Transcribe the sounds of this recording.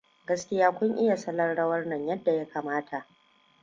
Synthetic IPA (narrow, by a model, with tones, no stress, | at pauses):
ɡɐ˦skʲɪ˦jaː˦kʷʊ˦ŋʔɪ˦ja˨sɐ˦lɐ˦rɽɐ˦wɐ˦rnɐ˨ɲjɐ˦dːa˨ja˦kaː˨maː˦tʰa˨ʔ